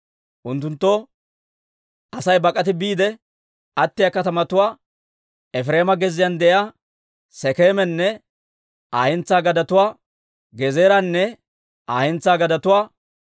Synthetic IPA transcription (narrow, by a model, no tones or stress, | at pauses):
ʔʊnt̪ːʊnt̪ːɔ | ʔɐsɐjbɐkʼɐt̪̬ɪbiːd̪ɛ | ɐt̪ːɪjɐkɐt̪ɐmɐt̪ʊwaː | ɛfɾeːmɐɡɛzːɪjand̪ɛja | sɛkeːmɛnːɛ | ʔaːhɛnt͡sːaːɡɐd̪ɐt̪ʊwaː | ɡɛzeːɾɐnːɛ | ʔaːhɛnt͡saːɡɐd̪ɐt̪ʊwaː